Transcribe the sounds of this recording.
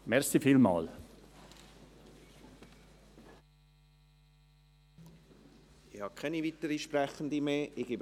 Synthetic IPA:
mɛɾxsifiːlmɑ̰ːl | ɪhɑːkʰɛniviːtəɾiʃprɛχənd̪imeːʔɪɡ̥eb

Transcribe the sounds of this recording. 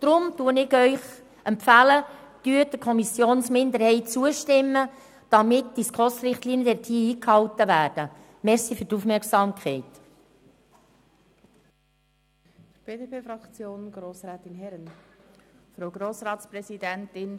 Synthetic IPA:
d̥ɾʊmtuənɪɡœʏχ | ʔɛmpfæləd̥yːdəkʰɔmisjoːnsmɪnd̪əɾhɛɪtt͡suəʃtɪmːə | d̥ɑmɪtd̥iskʁɔsɾɪχtliːnjəɛtʰiːiːkhɑwtəʋæːɾd̥ə | mɛɾsifyɾtufmɛɾksɑːmkʰχɛɪt̪ | b̥eːdepʰeːfɾɑkt͡sjoːnɡ̥ɾoːsɾɛːt̪ɪnɦɛɾən | fɾoʊɡɾoːsɾɑːtspɾɛsidɛntɪn

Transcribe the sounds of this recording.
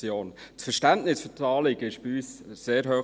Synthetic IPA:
joːntfəɾʃtændnɪsfʏtɑːlɪɡ̥əɪʃb̥yːsseːɾɦøː

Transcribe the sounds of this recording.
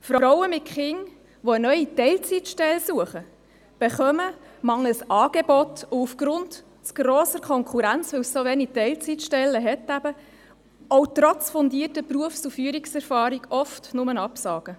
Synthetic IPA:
fɾɾɔwəmɪtχɪŋ | ʋɔənœʏitɛlt͡sitʃtɛlsuəχə | b̥eχœmə | mɑŋːəsɑːɡ̥ebɔtʊufɡ̥ɾʊnt | t͡sɡ̥ɾɔːsəkʰɔŋkʰuɾænt͡sʋɪwsːoʋɛnitɛɪlt͡sitʃtɛlːəɦɛtæb̥ə | ɔʊtɾɔt͡sfɔndiətəpruəfsufyəɾiksɛɾfɑːɾiɡɔftnʊmənɑpsɑːɡ̥ə

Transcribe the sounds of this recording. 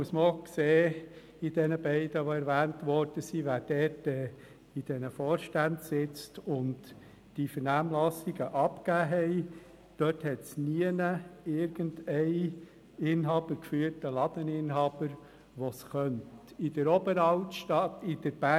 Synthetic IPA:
muəsməokseː | id̥ɛnəbɛɪdəʋoɛɾʋæːntʋɔɾd̥əsiʋæːɾd̥ɛtɛ | id̥ɛnəfoːɾʃtændsɪt͡stʊnt | d̥ifəɾnæːmlɑsiɡəʔɑpkæːɦɛɪ | d̥œthɛtsniənəɪɾɡ̥əndɛɪ | ɪnɦɑːb̥əɾkfyːəɾtəlɑd̥ənɪnɦɑːb̥əɾ | ʋɔsχœntid̥əɾɔbəɾɑltʃtɑtɪd̥əɾb̥æ

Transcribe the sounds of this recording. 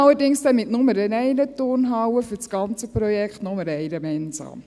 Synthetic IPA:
ɑlːəɾdɪŋsd̥ɛnmɪtnʊməɾənɛɪnətornɦɑwəfyt͡sɡ̥ɑnt͡səpɾɔjɛkχtnɔməɾɛɪɾəmɛɪnsɑ̰ːm

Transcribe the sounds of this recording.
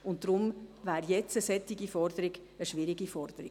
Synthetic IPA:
ʊnt̚d̥ɾʊmvæːɾjɛt͡səsɛt̪ɪɡifɔrd̪əɾɪɡəʃvɪɾiɡifɔrd̥̪əɾi

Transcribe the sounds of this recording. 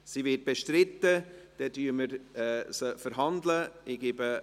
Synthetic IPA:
sivɪt̚b̥eʃtɾɪtːəd̥ɛdyːməɾɛsəfəɾɦɑndləɪɡ̥ɪbə

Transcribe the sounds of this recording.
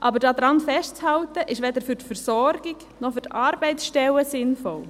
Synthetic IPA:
ʔɑbəɾdɑːd̪ɾɑnfɛʃtt͡shɑltəʔɪʃʋɛd̪əɾfyɾtfəɾsɔɾɡ̥ɪk | nɔχfyɾtɑːɾbɛɪsʃtɛləsɪnfɔl

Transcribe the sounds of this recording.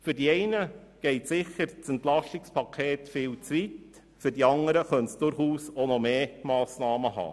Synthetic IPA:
fʏɾdiɛɪnəɡ̥ɛɪtsɪχəɾt͡sɛnt̪lɑʃtɪkspʰɑkʰeːtfɪːlt͡sʋit | fʏɾd̥iɑŋəɾəχœntsd̥ʊɾχuːsonɔmeːmɑːsnɑːməɦɑ̰ː

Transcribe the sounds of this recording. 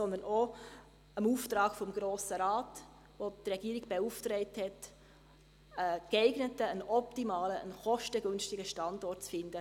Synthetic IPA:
sɔnd̪əno | əmuːftɾɑːɡfɔmɡɾoːsəɾaːt | votrɛɡ̥iːɾɪɡ̚bɛuːftrɛɪthɛt | ɛkɛɪɡnətəənɔptimaːləənχɔʃtəɡønstɪɡəʃtɑndɔrtt͡sfɪnd̥ə

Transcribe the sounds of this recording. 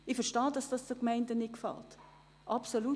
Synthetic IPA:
ɪfɛʃtɑːdɑsd̥ɑsdəkmɛɪndənɪkfɑ̰lt | ʔɑpsolu

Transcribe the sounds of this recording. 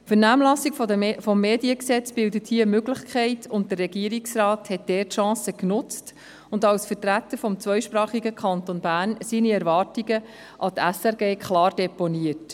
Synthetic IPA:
fəɾnæːmlɑsikffɔmːeːdiəksɛt͡sb̥ɪldəthiːəmøɡlɪχkʰχɛɪtʰʊnt̚d̥ərːɛɡiəɾiksrɑːthɛt̚d̥ɛːtʃɑ̃ːsəknʊt͡st | ʊndɑwsfəɾtɾæt̪ːəɾfɔmt͡sʋœʏʃpɾɑːχiɡəkʰχɑntonbæːɾnsiːniɛɾvɑːrtiɡə | ʔɑtæsɛɾɡeːkχlɑːrd̥ɛponiət

